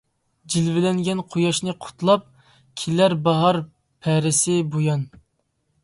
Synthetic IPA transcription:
d͡ʒilvɪlɛŋɡʲɛnqʰojɑʃnɨqʰʊ̥t̪lˠɑp̚ | kʲʰilæɾbɑɦɑɾ | pʰɛɾɪsɪbojɑn

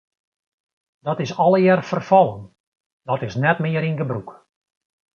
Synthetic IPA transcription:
d̥ɔtɪsɔlˠəjɛrfərfɑlˠən | d̥ɔtɪsnɛtmɪəɾinɡəbruk

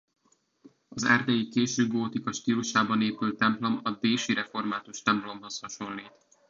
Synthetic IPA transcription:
ɒzɛ̰rd̪ɛjikeːʃøːɡoːt̪ikɒʃt̪iːluʃaːbɒneːpylt̪ːɛmplo̞mɒd̪eːʃiɾɛfo̞rmaːt̪uʃt̪ɛmplo̞mho̞shɒʃo̞lːiːt̪

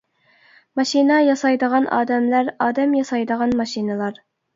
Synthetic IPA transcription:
mɑʃinɑjɑsɑjd̪əʁɑnʔɑ̰ːd̪ɛmlæɾɑːd̪ɛmjɑsɑjd̪əʁɑnmɑʃinɨlˠɑɾ

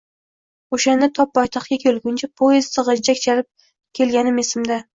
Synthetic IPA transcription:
oʃand̪at̪ʰɒp̚ːɒjt̪ʰɑχkʲakʲʰolˠɡʲʊnt͡ʃʰapʰojezt̪ɨʁɑd͡ʒakʲt͡ʃʰalɪp̚ | kʲʰe̞lɡʲanɪmesɪmd̪a

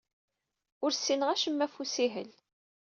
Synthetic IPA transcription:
ʊɾsːinəʁæʃəmːæfusiɦə̰l

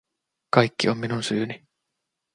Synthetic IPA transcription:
kɑjkːio̞mːinunsyːni

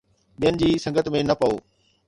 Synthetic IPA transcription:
ɓijənɪ̆d͡ʑiːsɐ̃ŋɡət̪mẽnɐpɐo̰ː

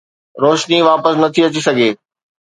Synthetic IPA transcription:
ɾoːʃniʋaːpəsnɐt̪ʰiɐt͡ɕisɐɡʱeː

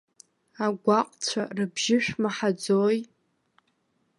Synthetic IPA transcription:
aɡʷaqʼt͡ɕʷʰarɨbʒɪʃᶣmaħad͡zoj

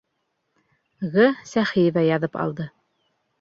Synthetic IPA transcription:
ʁɤsæχijevæjɑðɤpɑ̰lˠd̪ɤ

